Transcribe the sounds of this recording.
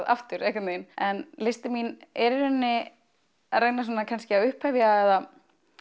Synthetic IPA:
ða̰ft̪ʏɾejhkwʏt̪nejnɛnlɪst̪ɪminɛɾɪnːɪ | aðreknas̬ɔːnakʰanscɪaʏhphɛvjaɛða

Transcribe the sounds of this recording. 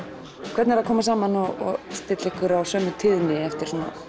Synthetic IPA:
kʰvɛɾt̪nɛɾaðkʰɔːmasaːmanɔɔ̰ɣst̪ɪt̪lɛhkʏɾawsœːmʏt̪ʰɪːðnɪɛft̪ɪɾ̥sɔna̰

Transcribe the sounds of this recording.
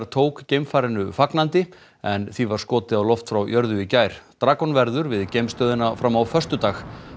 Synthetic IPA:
ɾt̪ʰoːwkcejmfaːɾɪnʏfaknant̪ɪ | ɛnθivaɾ̥skɔːt̪ɪawlɔft̪fɾawjœɾðʏicaːjɾ̥t̪ɾaːkɔnvɛɾðʏɾvɪðcejmst̪œːðɪnafɾamːawfœr̥st̪ʏt̪aːx

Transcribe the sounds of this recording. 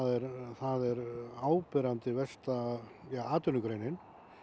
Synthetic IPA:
aðɛɾθaðɛɾaːwpɛɾant̪ɪvɛst̪ajaaːt̪ʏnʏkɾejnɪn

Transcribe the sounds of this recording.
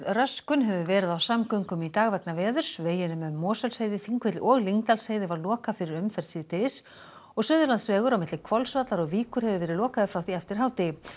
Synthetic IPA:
rœskʏnɦɛvʏvɛːɾɪðawsamkœɥŋkʏmit̪aːɣvɛknavɛːðʏɾ̥sveːjɪnʏmʏːɔːsœlsheːjðɪθiŋkvɛt̪lɪʔɔɣliŋkt̪alseːjðɪvaɾlɔːkafɪɾɪɾʏmfɛɾ̥t̪siːt̪ɪs | ɔɣsʏːðʏɾlant̪svɛːɣʏɾawmɪt̪lɪkʰvɔlsvat̪laɾɔɣviːkʏɾhɛvʏvɛːɾɪðlɔːkaðɪfɾawθiɛft̪ɪɾ̥ɦawt̪ɪ

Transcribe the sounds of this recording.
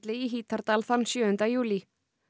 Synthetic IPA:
t̪lɪiɦiːt̪aɾt̪aːlθanːsjœːʏnt̪ajuːli

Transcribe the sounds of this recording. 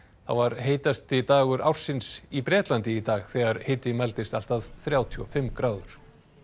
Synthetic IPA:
θa̰wvaɾɦeːjt̪ast̪ɪt̪aːɣʏɾa̰wr̥sːɪnsipɾɛːt̪lant̪ɪit̪aːɣθɛːɣaɾ̥hejt̪ɪmalt̪ɪst̪al̥t̪aðθɾjaːwt̪ʰʏɔfɪmkɾaːwðʏɾ̥

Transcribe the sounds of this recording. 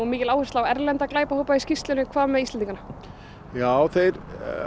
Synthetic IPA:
mɪːcɪlaːwhʏrslawɛɾlɛnt̪aklaːjpahoːwpaiscist̪lʏnɪkʰv̥aːðmɛðist̪ɛnt̪iŋkana | jaːwθejɾ

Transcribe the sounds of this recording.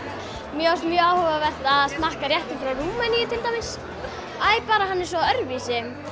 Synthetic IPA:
mjɛɔst̪mjœːaːwhɔvavɛr̥t̪aðst̪nahkaɾjɛht̪ɪŋkʏɾanuːmanijɪt̪ʰɪlt̪amɪs | aːjpaːɾaɦanːɪɾ̥sɔœɾvisɪ

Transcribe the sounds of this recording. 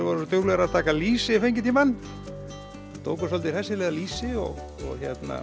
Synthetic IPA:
vaɾsɔt̪œwlɛɣɾaðt̪ʰaːkaliːsɪfejɲcɪt̪imanː | t̪ʰoːwksɔlt̪ɪɾ̥θɛsːɪlɛːðaliːsɪɔ̰ɣ | ɔ̰ɣçjɛt̪na̰

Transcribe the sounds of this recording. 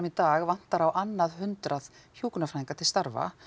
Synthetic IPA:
mit̪aːɣvan̥t̪aɾawʔanːaðhʏnt̪ɾaðçjuːkʏnafaðiŋkat̪ʰɪlst̪aɾva̰

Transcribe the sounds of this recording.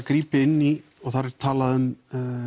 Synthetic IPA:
kɾiːpɪɪnːi | ɔɣθaɾɛɾ̥t̪ʰaːlaðʏm

